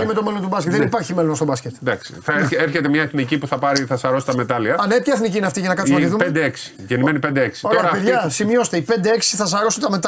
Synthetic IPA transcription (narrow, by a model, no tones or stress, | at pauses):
met̪o̞melont̪ubɐskʲt̪ðeeipɐɾçimelonst̪obɐscʲet̪d̪ɐksi̥θɐeeɾçet̪emɲɐeθnicipuθɐpɐɾiθɐsɐɾo̞si̥t̪ɐme̞t̪ɐliɐɐnepçɐeθnicineɐft̪iʝɐnɐkɐt̪imɐiðumpend̪eeksi̥ʝenimenipend̪eeksi̥oɾoeɐɾɐpeɐsimɲo̞se̥t̪eipe̞nd̪eeksi̥θɐs̬ɐɾo̞sit̪ɐme̞t̪